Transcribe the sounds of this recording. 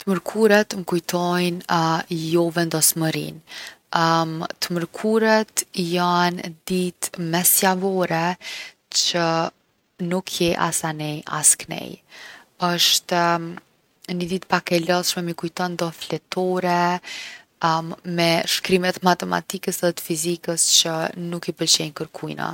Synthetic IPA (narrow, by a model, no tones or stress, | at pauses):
t̪məɾkʰuɾɛt̪ŋkujt̪ʰɔjnjɔvɛnd̪ɔsməɾḭn | t̪əməɾkʰuɾɛt̪jand̪it̪mɛsjavɔɾɛ | t͡ɕə | nukʰjɛʔa̰sanɛja̰sknɛ̰jəʃt̪ | nəd̪it̪̚pakɛlɔsʃmɛmikujt̪ɔnd̪ɔflɛt̪ʰɔɾɛ | mɛʃkɾimɛt̪mat̪ɛma̰t̪ikəsɛðɛt̪ə̥fizikəst͡ɕənukipəlt͡ɕɛɲkəɾkʰujna̰